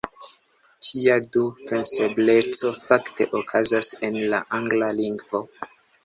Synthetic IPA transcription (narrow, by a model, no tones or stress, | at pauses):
tʰiadupe̞nse̞ble̞t͡so̞fakte̞̰ʔokʰazase̞nla̰ʔaŋɡlaliŋɡvo̞